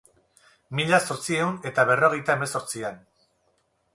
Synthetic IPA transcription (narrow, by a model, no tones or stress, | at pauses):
miʎaso̞ɾt͡sie̞une̞t̪aβ̞e̞ro̞ɣe̞jt̪ae̞me̞so̞ɾt͡sian